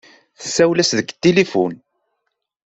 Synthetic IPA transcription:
θə̥sːæwlæsðəɡt̪ːelifun

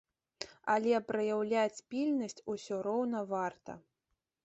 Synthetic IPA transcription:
ɐlʲɛpɾɐjawlʲat͡sʲpʲilʲnɐsʲt͡sʲusʲɔɾɔwnɐvart̪ɐ̰

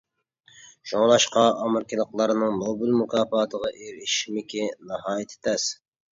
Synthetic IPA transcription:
ʃoŋlˠɑʃqɑʔɑmɨɾkʲilˠəqlˠɑɾnɨŋnobylˠmukʰɑːfɑːt̪ʰəʁɑʔeɾiʃmɪkʲinɑɦɑːjɪt̪ʰɪ̥t̪ʰɛs

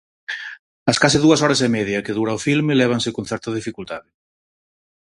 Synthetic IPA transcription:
ɐskasɪðuɐsɔɾɐsemɛðjɐkɪðuɾaofilmɪlɛβ̞ɐŋsɪkõn̟θɛɾt̪ɐðifikult̪aðɪ

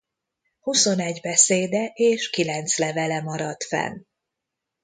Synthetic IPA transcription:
huso̞nɛɟbɛseːd̪ɛʔeːʃkilɛnt̪slɛvɛlɛmɒɾɒt̪fɛ̰n

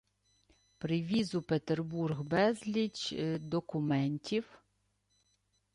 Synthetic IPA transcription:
pɾɪʋʲizʊpet̪erburɣbɛzlʲit͡ʃd̪ɔkʊmɛnʲtʲiw

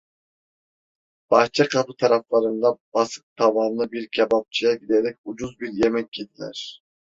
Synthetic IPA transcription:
b̥ɑt͡ʃʰɑqʰɑpɯt̪ʰɑɾɑflˠɑɾɯnd̪ɑbɑsɨ̥q̚t̪ʰɑvɑːnnɯbiɾkʲʰɛbɑp̚t͡ʃʰijɑɡʲid̪eɾɛk̚ʲud͡ʒuzbiɾjemɛkʲkʰʲːed̪ilæ̰ɾ

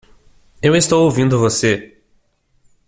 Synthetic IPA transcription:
ewest̪owowvĩnd̪ʊvose

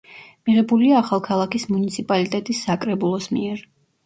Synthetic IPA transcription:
miʁɛbuliaːχalˠkʰalˠakismunit̪sʰipʼalit̪ʼɛt̪ʼisːakʼɾɛbulˠɔsmiɛɾ

